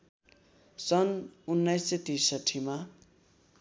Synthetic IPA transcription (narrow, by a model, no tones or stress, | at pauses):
sʌnunːʌjsːʌt̪isʌʈʰima